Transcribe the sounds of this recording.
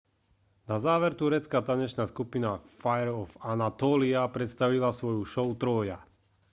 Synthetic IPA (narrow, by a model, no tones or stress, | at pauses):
nazaːʋɛɾt̪uɾɛt͡skaːt̪aɲɛʃnaːskupinafajɛɾɔfanat̪ɔːliapɾɛt̪st̪aʋilasʋɔjuʃɔʊt̪ɾɔja̰